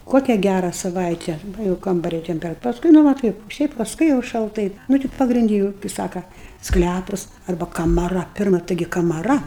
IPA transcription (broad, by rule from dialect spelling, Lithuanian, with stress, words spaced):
ˈkoːkʲɛ ˈɡʲærɐ sɐˈʋɐɪtʲɛ ˈʋɐ jɛʊ ˈkɐmbɐrʲɛ ˈtʲɛmʲpʲɛrɐt pɐsˈkʊɪ ˈnʊ ʋɐ ˈtɐɪp ˈʃʲɛɪp pɐsˈkʊɪ jɛʊ ʃɐlˠˈtɐɪ ˈnʊ tʲɪ pɐɡrʲɪnʲˈdʲɪ juːʊ kɨɪ ˈsɑːkɐ ˈsklʲæpʊs ˈɐrbɐ kɐmɐˈrɐ ˈpʲɪrmɐ ˈtɐɪɡʲɪ kɐmɐˈrɐ